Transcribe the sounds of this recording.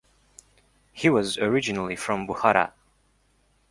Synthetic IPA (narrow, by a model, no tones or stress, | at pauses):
hiwʌzə˞ɪd͡ʒɨnl̩ˠifɹʌ̃mbʊhaɾa̰